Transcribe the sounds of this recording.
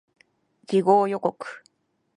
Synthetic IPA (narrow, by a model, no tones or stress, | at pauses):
d͡ʑiɡo̞ːjo̞ko̞kɯ̥